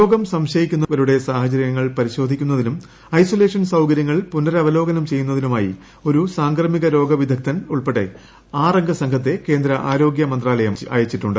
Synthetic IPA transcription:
ɾo̞ːɡɐmsɐmɕɐjikʲːunːɐʋɐɾuɽe̞saːhɐt͡ɕɐɾɐjɐŋːɐɭpɐɾiɕo̞ːd̪ʱikʲːun̪ːɐðinum | ɐjsole̞ːʂɐnsɐwkɐɾjɐŋːɐɭpunːɐɾɐɐʋɐlo̞ːɡɐnɐmt͡ɕe̞jːunːɐðinumaːjḭ | o̞ɾusaːŋɡrɐmiɣɐɾo̞ːɡɐʋid̪ʱɐk̚t̪ʰɐnuɭpeɽːe̞̰ | aːrɐŋɡʱɐsɐŋkʰɐt̪̬ːe̞ke̞ːnd̪ɾɐʔaːɾo̞ːɡjɐmɐnd̪raːlɐjɐma̰ːjɐt͡ɕːiʈːuɳɖɨ

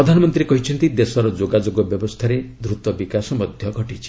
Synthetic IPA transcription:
ɾɔd̪ʱanɔmɔnt̪ɾiekɔɦit͡ʃʰɔnt̪id̪esɔɾɔd͡ʒoɡad͡ʒoɡɔbjɔbɔst̪ʰaɾed̪ɾut̪ɔbikasɔmɔd̪ʱjɔɡʱɔʈit͡ʃʰi̥

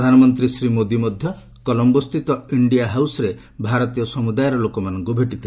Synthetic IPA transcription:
d̪ʱanɔmɔnt̪ɾisɾimod̪imɔd̪ʱjɔ | kɔlɔmbɔst̪ʰit̪ɔiɳɖijaɦawsɔɾe | bʱaɾɔt̪ijɔsɔmud̪ajɾɔlokɔmanɔŋkubʱeʈit̪ʰ

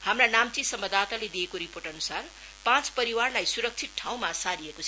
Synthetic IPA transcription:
hamranamt͡sisʌmbʌd̪at̪aled̪ijekoɾiporʈʌnusar | pãt͡spʌɾiwarlajsuɾʌk̚t͡sʰit̪̚ʈʰaw̃masaɾiekot͡sʰ

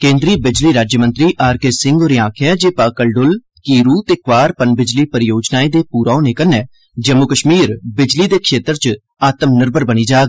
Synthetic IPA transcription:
kẽːnd̪ɾiːbɪd͡ʒliːɾaːd͡ʒjəmə̃nt̪ɾiːʔaːɾkesɪŋɡoːɾiːãːkʰjɛːd͡ʒeːpaːkəlɖʊl | kiːɾuːt̪eːkʋaːɾpənbɪd͡ʒliːpəɾɪjoːd͡ʒnaːiːd̪eːpuːɾaːõneːkənɛː | d͡ʒəmːʊkəʃmiːɾbɪd͡ʒliːd̪eːkʰʃeːt̪əɾt͡ʃ | aːt̪əmnəɾbəɾbəniːd͡ʒaːɡ

